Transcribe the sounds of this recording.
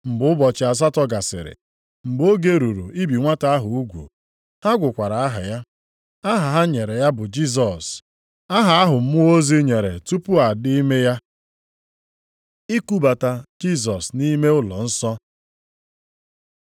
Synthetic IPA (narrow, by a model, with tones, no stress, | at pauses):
m̩˨bʊ˨˦ʊ˦bɔ˨t͡ʃɪ˨a˨s̬a˦tɔ˦ɡa˨sɪ̰˨ɾɪ̰˨ | m̩˨bo˦ɡe˦ɾu˨ɾu˨i˦bi˨ŋʷa˦ta˦a˦ɦʊ˨u˦ɡʷṵ˨ | ha˦ɡʷʊ˨kʷa˨ɾa˨a˦ɦa̰˨ja˦ | a˦ɦa˨ɦa˦ɲe˨ɾe˨ja˦bʊ˨d͡ʒi˦s̬ɔ˨s | a˦ɦa˨a˦ɦʊ˨m̩˦mʊ˦o˦zi˦ɲe˨ɾe˨tu˦pʊ˦a˨di˦i˦me˦ja˦ | i˦ku˦ba˨ta˨d͡ʒi˦z̬ɔ˨sni˦me˦ʊ˦lɔ̰˨n̩˦sɔ˦